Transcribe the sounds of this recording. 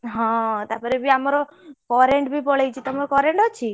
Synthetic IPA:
ɦãt̪apəɾebʱiamaɾokɔɾeɳʈbʱipɔɭejt͡ʃʰit̪amaɾokɔɾeɳʈɔt͡ʃʰi

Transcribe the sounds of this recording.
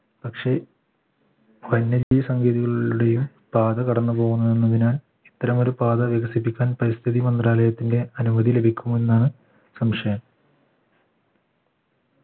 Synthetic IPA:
pɐkʂe̞ | ʋɐnːɐd͡ʑijsɐŋɡiːðiɣɐɭuɽe̞jum | paːd̪ɐkɐɽɐnːɨpo̞ːɣunːɐe̞nːɐðinaːl | it̪ːɐɾɐmo̞ɾupaːðɐʋjɐɣɐsipːikʲːaːnpɐɾist̪ʰiðimɐnd̪raːlɐjɐt̪ːinde̞ɐnumɐðile̞bʱikʲːumuːe̞nːaːɳɨ | sɐmʂɐjɐm

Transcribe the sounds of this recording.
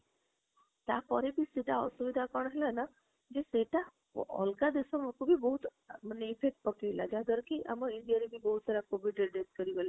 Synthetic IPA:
t̪a̰pɔɾebʱiːseʈaɔ̰suʋid̪ʱakəɳaɦelana | d͡ʑeseʈa | ɔ̰lkad̪esəməkubʱiːbəɦut̪ | m̤əneːfek̚ʈ̚pəkejlad͡ʑad̪əɾkiːʔa̰məɡinɖijaɾibʱiːbəɦut̪saɾakoʋiɖeɖeskəɾiʋəle

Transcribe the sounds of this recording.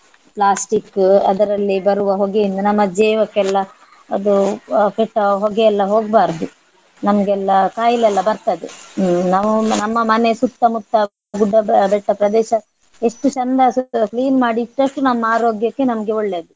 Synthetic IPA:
pɭaːsʈikːɐ̰d̪ɐɾɐlːibɐɾuʋɐɦoɡejind̪ɐnɐmːɐd͡ʒɛːʋɐkːɛlːɐ | ɐd̪ukɛʈːɐɦɔɡɛɛlːɐɦo̞ːɡ̚baːɾd̪u | nɐmɐɡɛlːɐkaːjilɛlːɐbɐɾt̪ɐd̪enaʋunɐmːɐmɐnesut̪ːɐmut̪ːɐ | ɡuɖːɐbɛʈːɐpɾɐd̪ɛːʃɐ | e̞ʂʈut͡ʃɐnd̪ɐkliːnmaːɽiːʈːɐʂʈunɐmːɐaːɾo̞ːɡjɐkːe̞nɐmɐɡe̞ɔɭːeːd̪u

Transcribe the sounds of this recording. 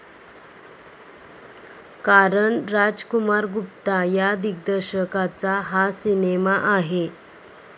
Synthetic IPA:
kaɾəɳɾad͡zkumaɾɡup̚t̪ajad̪ik̚d̪əɾɕəkat͡saɦasinemaʔaɦe

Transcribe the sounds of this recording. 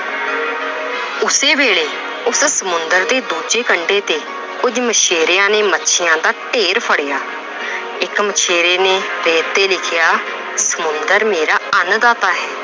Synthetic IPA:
ʊseːbeːɽeː | ʊssəmʊnd̪əɾd̪eːd̪uːd͡ʒeːkəɳɖeːt̪eː | kʊd͡ʒmət͡ʃʰeːɾejãːneːmətːʃʰɪjãːd̪aːʈeːɾpʰəɽejaː | ɪkmət͡ʃʰeːɾeːneːɾeːt̪ːeːlɪkʰɪjaː | səmʊnd̪əɾmeːɾaːənd̪aːt̪aːɦɛː

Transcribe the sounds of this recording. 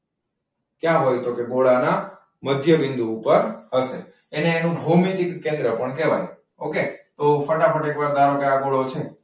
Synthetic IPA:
kjãɦojt̪okeɡoɭana | məd̪ʱjəʋɪnd̪uːpəɾɦəʃe | eneːnũbʱomit̪ikːẽnd̪ɾəpəɳkɛʋa̰ni | oket̪ofəʈafəʈekʋaɾd̪aɾõkajaɡoɭot͡ʃʰe

